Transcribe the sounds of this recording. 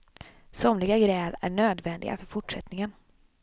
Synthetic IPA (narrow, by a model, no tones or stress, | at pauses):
sɔmlɪɡaɡɾɛːɾæ̰ɳøːd̪vɛnd̪ɪɡa̰fœɾfʊʈʂɛt̪nɪŋən